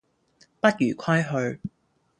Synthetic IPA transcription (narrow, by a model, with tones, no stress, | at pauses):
pɐ˥t̚jyː˨˩kʰɐ˥jɦɵ˧ɥ